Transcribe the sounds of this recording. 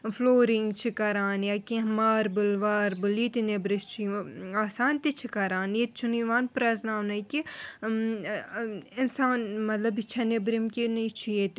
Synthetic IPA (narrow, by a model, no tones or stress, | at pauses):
floːɾɪŋɡt͡ʃʰikɐɾaːnjaːkĩɦmaːɾbʊlʋaːɾbulit̪inebɾɪst͡ʃʰiaːsaːnt̪it͡ʃʰikɐɾaːnjet̪̚t͡ʃʰuniʋaːnpɾɐznaːnɐjki | ɪnsaːnmɐt̪lɐbit͡ʃʰɐnebɾimkinit͡ʃʰijet̪